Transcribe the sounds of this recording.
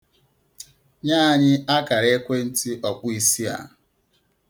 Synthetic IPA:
ɲaː˦˨ɲɪ˦a˦ka˨ɾe˦kʷe˦n̩˦ti˦ʔɔ˨k͡pʊ˦i˨si˦a̰˨

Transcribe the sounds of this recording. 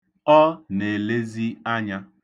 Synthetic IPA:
ɔ˦ne˨le˦zi˦a˦ɲa˦

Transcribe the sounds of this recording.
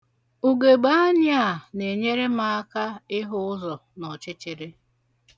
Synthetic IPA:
u˨ɡe˨ɡ͡ba˦ɲɪ˦a˨ne˨ɲe˦ɾe˦ma˦ka˦ɪ˦ɦʊ˦ʊ˦zɔ˨nɔ˨t͡ʃɪ˦t͡ʃɪ˨ɾɪ˦

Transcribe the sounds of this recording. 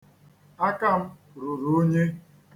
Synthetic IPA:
a˦ka˦m̩˦ | ɾu˨ɾo˦ɲe˦

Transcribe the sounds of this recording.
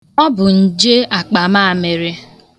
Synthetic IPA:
ɔ˦bʊ˨n̩˨d͡ʒe˦a˨k͡pa˨ma˦˨a˨me˨ɾe˦

